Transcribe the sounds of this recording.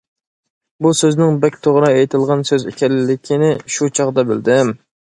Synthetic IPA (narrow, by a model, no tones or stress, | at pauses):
busøznɪŋbɛkʲt̪ʰoʁɾɑejt̪ʰɨlˠʁɑnsøzɪ̰kʲʰɛlɪlɪkʲʰinɪʃut͡ʃʰɑʁd̪ɑbɪld̪ɪm